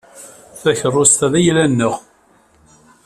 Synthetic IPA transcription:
θæçərˤːost̪æðæjlænːəʁ

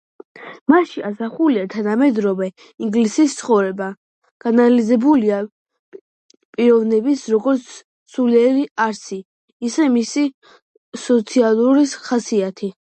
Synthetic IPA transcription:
maʃiasaχuliat̪ʰanamɛd̪ɾɔvɛ | iŋɡlisist̪sʰχɔvɾɛba | ɡ̥analizɛbulia | pʼiɾɔvnɛbisɾɔɡɔɾt̪sʰ | suliɛɾiaɾsiː | sɛmisi | sɔt̪sʰialˠuɾiχasiat̪ʰi

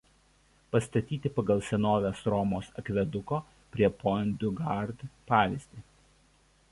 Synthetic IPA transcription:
pɐst̪ɐt̪ʲiːt̪ʲɪpɐɡɐlˠsʲɛnoːʋʲosɾɔmoːsɐkʋʲɛd̪ʊkoː | pʲɾʲiɛpɔnʲd̪ʲʊɡɐɾd̪pɑːʋʲizʲd̪ʲiː

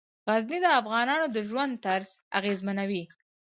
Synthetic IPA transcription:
ɣaznid̪əafɣɑnɑnod̪əʒwand̪̚t̪aɾza̰ɣezmanawi

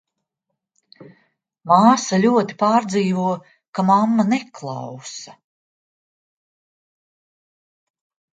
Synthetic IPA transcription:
maːsalʲuɔt̪i̥paːɾd̪ziːvuɔ | kamamːaneklˠɑwsɐ

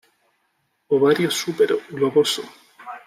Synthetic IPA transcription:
oβaɾjosupeɾɣloβoso

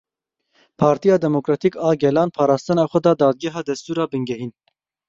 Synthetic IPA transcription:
pʰɑːɾt̪ʰijɑːd̪ɛmokɾɑːt̪ʰiːkɑːɡɛlɑːnpʰɑːɾɑːst̪ɨnɑːxʷɛd̪ɑːd̪ɑːd̪̚ɡɛɦɑːd̪ɛst̪uːɾɑːbɨŋɡɛɦiːn

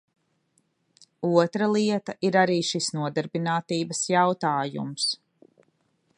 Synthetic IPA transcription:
uɔt̪ɾalˠiɛt̪aʔiɾaɾiːʃisnuɔd̪aɾbinaːt̪iːbɐsjawt̪aːjṵms

